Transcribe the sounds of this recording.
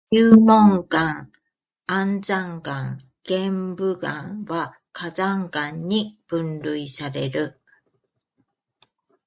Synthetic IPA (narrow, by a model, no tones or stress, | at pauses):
jɯːmõŋkãŋ | ãnzaŋkãŋ | ɡ̥embɯɡãŋwa | kʰazaŋkãɲːib̥ɯ̃nɾɯisaɾe̞ɾɯ